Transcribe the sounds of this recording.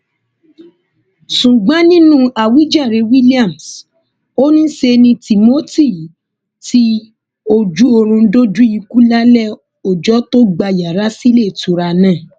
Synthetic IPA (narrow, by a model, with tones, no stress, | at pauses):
sũ˨ɡ͡bã˦nĩ˦nũ˦a˨wi˨˦d͡ʒa˦˨ɾe˧˦wi˦li˦a˦˨ms | o˦nĩ˦ʃe˧nĩ˧ti˨mo˦ti˦˨ | ti˦ | o˦d͡ʒu˨˦o˧ɾ̃ũ˧˦do˦d͡ʒũ˦i˧ku˦la˦lɛ˦˨ | o˨d͡ʒɔ˨˦to˦ɡ͡ba˧ja˨ɾa˨˦si˦le˦˨tu˨ɾa˧nã˦˨